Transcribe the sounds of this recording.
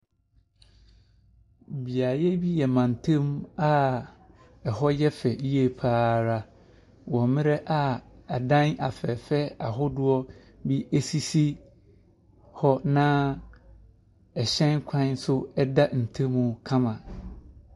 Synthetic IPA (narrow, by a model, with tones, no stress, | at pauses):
bi˨a˨jɛ˦bi˦jɛ˨mã˨n˨tʰẽ˦m˦a˦ | ɛ˨ɦɔ˦jɛ˦fɛ˨ji˦e˨pʰaː˦ɾa˦ | wɔ̃˨mɪ̃˦ɾɛ˦ʔa˨a˨dã˦na˨fɛ˨fɛ˦a̰˨ɦʊ˦dʊ˦ɔ˦ | bi˦e˦si˦si˦ | hɔ˦nã˦ | ɛ˨ɕɛ̃˦nkʷʰã˦n˦sʊ˦ɛ˦da˦n̩˨tʰẽ˦mːũ˦kʰã˦mã˨